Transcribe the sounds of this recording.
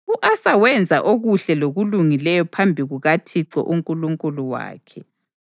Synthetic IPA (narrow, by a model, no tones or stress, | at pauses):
uʔasawɛnd͡zʱaʔoɣuɬɛloɣuluŋilɛjɔpʰambʱiɣuɣatʰiǀɔ̰ʔuŋkʼuluŋkʼuluwa̰ːkʰɛ